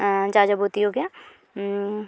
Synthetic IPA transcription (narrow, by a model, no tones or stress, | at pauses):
d͡ʒaːd͡ʒɐbɦoːt̪iɦoɡjaː